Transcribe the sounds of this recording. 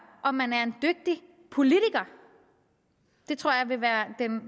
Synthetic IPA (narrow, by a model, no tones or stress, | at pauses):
ʔɒ̽mːænæɐe̝nd̥øɡ̥̚d̥i | pʰo̝lit͡sʰiɡ̥ɐ | d̥e̝t͡sʰʁo̝ɐ̰jɑ̈ʋe̝ʋæːɐd̥en